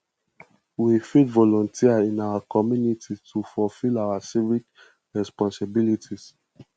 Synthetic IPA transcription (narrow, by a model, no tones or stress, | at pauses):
wifitvɔlɔ̃ntʰiaĩnawakʰɔmjunititʰufɔlfilawasivik | ɹɛspɔ̃nsabilitʰis